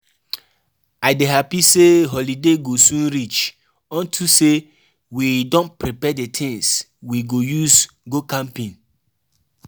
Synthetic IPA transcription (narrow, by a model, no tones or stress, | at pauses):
aɪdeɦapiseɦɔlideɡosũnɾit͡ʃ | ɔ̃ntʰuse | widɔ̃npɹipɛdetʰĩŋs | wiɡojus | ɡokãmpĩn